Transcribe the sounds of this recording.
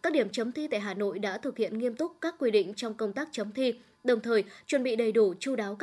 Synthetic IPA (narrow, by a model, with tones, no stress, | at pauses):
kaː˦˥k̚ɗi˧˩əmt͡ɕə˨˦mt̪ʰi˧t̪a̰ː˧˨jɦaː˨˩no̰˧˨jɗa̰ː˧˥t̪ʰɨ˨˩k̚hḭ˧˨ənŋi˧əmt̪ʊ˦˥k͡p̚kaː˦˥k̚ːwi˧ɗḭ̈˧˨ŋ̟t͡ɕɔ˧wŋ͡mkə˧wŋ͡mt̪aː˦˥k̚t͡ɕə˨˦mt̪ʰi˧ | ɗə˨˩wŋ͡mt̪ʰəː˨˩jt͡ɕwə˧˩nɓḭ˧˨ɗə˨˩jɗu˧˩t͡ɕu˧ɗaː˨˦wk